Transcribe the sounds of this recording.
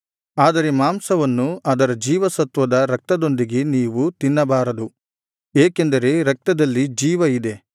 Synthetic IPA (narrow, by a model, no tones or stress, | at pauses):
aːd̪ɐɾe̞maːmsɐʋɐnːuɐd̪ɐɾɐd͡ʒiːʋɐsɐt̪ʋɐd̪ɐɾɐk̚t̪ɐd̪ond̪iɡe̞niːʋut̪inːɐbaːɾɐd̪u | eːkend̪ɐɾe̞ɾɐk̚t̪ɐd̪ɐlːid͡ʒiːʋɐid̪e̞